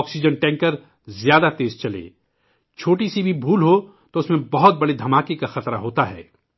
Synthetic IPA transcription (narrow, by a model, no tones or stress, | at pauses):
ksid͡ʒənʈɛ̃ːŋkəɾ | zjaːd̪at̪eːzt͡ʃɐlḛː | t͡ʃʰoːʈisibʱibʱuːlɦo | t̪oʊsmẽbɐɦʊt̪̚bɐɽid̪ʱɐmaːkekaxɐt̪ɾaɦoːt̪aɦɛ̰ː